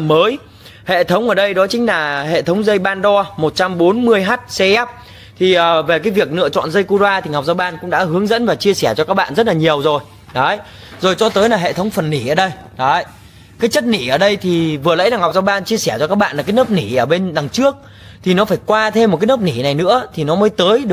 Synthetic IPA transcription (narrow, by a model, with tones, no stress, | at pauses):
məː˨˦j | hḛ˧˨t̪ʰə˨˦wŋ͡mʔəː˧˩ɗə˧jɗɔ˨˦t͡ɕï˨˦ŋ̟laː˨˩hḛ˧˨t̪ʰə˨˦wŋ͡mzə˧jɓaː˧nɗɔ˧mo˨˩t̚t͡ɕa˧mɓo˨˦nmɨ˧əjɦaː˦˥t̚sɛ˧ʔɛ˦˥p̚ | t̪ʰi˨˩ʔəː˨˩ve˨˩kaː˨˦jvi˨˩ək̚nɨ̰˧˨ət͡ɕɔ̰˧˨nzə˧jku˧zwaː˧t̪ʰi˨˩ɦa˨˩wk͡p̚zaː˧wɓaː˧nkʊ̰˧˥ŋ͡mɗa̰ː˧˥hɨ˨˦əŋzə̰˧˥nvaː˨˩t͡ɕi˧əsɛ˧˩t͡ɕɔ˧kaː˦˥k̚ɓa̰ː˧˨nzə˦˥t̚laː˨˩ɲi˨˩əwzo˨˩j | ɗə˨˦j | zo˨˩jt͡ɕɔ˧t̪əː˨˦jlaː˨˩ɦḛ˧˨t̪ʰə˨˦wŋ͡mfə˨˩nːi˧˩ʔəː˧˩ɗə˧j | ɗɔ˨˦ | kaː˨˦jt͡ɕə˦˥t̚ni˧˩ʔəː˧˩ɗə˧jt̪ʰi˨˩vɨ˨˩ələ̰˧˥jlaː˨˩ŋha˨˩wk͡p̚zaː˧wɓaː˧nt͡ɕi˧əsɛ˧˩t͡ɕɔ˧kaː˦˥k̚ɓa̰ː˧˨nla˨˩aː˨˦jnəː˦˥p̚ni˧˩ʔəː˧˩ɓe˧nt̪a˨˩ŋt͡ɕɨ˦˥ək̚ | t̪ʰi˨˩nɔ˨˦faː˧˩jkwaː˧t̪ʰe˧m̚˨˩kaː˨˦jnə˦˥p̚ni˧˩na˨˩jnɨ̰˧˥ət̪ʰi˨˩nɔ˨˦məː˨˦jt̪əː˨˦jɗɨ˨